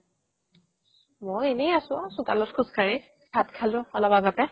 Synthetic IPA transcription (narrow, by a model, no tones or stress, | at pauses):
mɔjenɛjasʊ̃asʊ̃talɔtkʰʊskaɹi | kʰatkʰalʊɔlɔbaɡapɛ